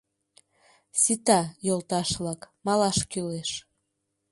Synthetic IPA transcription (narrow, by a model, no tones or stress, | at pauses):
sit̪ɑjolt̪ɑʃlɑkmɑlɑʃkyleʃ